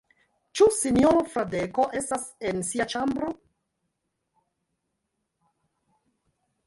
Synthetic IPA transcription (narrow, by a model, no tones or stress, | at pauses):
t͡ʃusinjoɾofɾadekoʔe̞stasensiat͡ʃambɾo